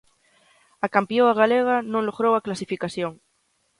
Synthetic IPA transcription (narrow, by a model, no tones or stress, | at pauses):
akampjoaɣaleɣ̞anõŋloɣɾowaklasifikaθjoŋ